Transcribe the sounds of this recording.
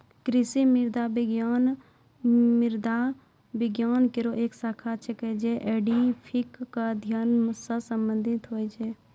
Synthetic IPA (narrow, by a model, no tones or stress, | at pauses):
kɾɪsimɪɾd̪abɪɡjaːn | mɪɾd̪ʱa | bɪɡjaːnkeɾoʔeːksaːkʰat͡ʃʰekɛd͡ʒeʔeːɖipʰikːad̪ʱjansəsə̃mbə̃nd̪ʱɪt̪ɦoːid͡ʒeː